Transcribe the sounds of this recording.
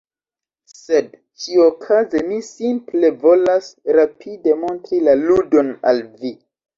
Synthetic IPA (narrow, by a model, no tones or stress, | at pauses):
sed | t͡ʃiokʰazemisimple̞vo̞lasɾapʰide̞mo̞ntɾilaludo̞na̰lvi